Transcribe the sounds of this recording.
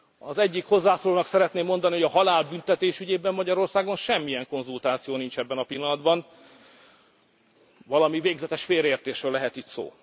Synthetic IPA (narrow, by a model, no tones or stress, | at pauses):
ɒzɛɟːikho̞zːaːsoːloːnɒksɛɾɛt̪neːmːo̞nd̪ɒnioɒɦɒlaːlbynt̪ɛt̪eːʃyɟeːbɛmːɒɟɒɾo̞rsaːɡonʃɛmːijɛŋko̞nzult̪aːt̪sijoːnint͡ʃɛbːɛnɒpilːɒnɒd̪bɒn | vɒlɒmiveːɡzɛt̪ɛʃfeːɾeːrt̪eːʃrøːlɛɦɛt̪itso̰ː